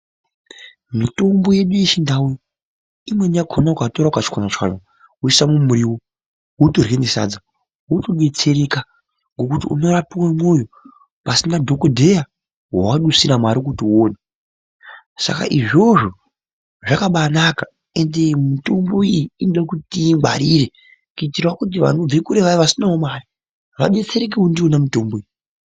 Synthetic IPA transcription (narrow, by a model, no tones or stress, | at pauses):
mito̞mbo̞je̞ɗuit͡ʃindaujo | imwe̞niaɡʱʰonaukatoɾakat͡ʃi̥kwanat͡ʃa̰na | uisamumuɾiːwo | wutorɣenisa̰d͡za | wutoɡwe̞t͡seɾeka | ŋɡo̞kutiṵno̞rapiwamwo̞jo | pasinadʱo̞kodʱe̞ja | wawaɗusiɾamaɾikutiuoːne | sa̰ka̰ʔiʐo̞ʐo̞ | ʐakaɓanaka | e̞ndemito̞mbo̞ijiinoɗakutiŋɡa̰ɾiɾe | kuitirwakut̬iʋa̰no̞b͡vekuɾeʋaʋasinaomaːri | ʋaɗe̞t͡se̞ɾek̬eundiwonamito̞mbo̞i